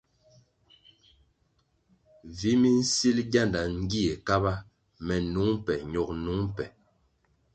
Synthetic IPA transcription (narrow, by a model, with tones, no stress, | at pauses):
vi˨˦mi˦n̩˦si˦lɡa˦˨nda˨ŋ̩˦ɡi˦e˨ka˦ba˦ | mɛ˨nu˨˦ŋ˦pɛ˨ɲɔ˨k̚nu˨˦ŋm˦pɛ˨